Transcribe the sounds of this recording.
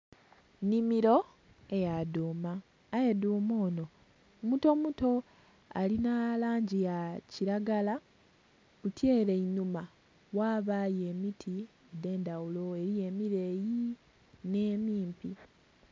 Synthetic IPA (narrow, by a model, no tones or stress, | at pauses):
nimiɾo̞ | ejaduːmaː | jeduːmoːno̞ | muto̞muto̞ | alinalaːɲɟijaciɾaɡala | kutje̞ːle̞inuma | waːβaje̞mitʰi | ede̞ːndawulo̞e̞ɾije̞miɾe̞ːji | ne̞ːmiːmpi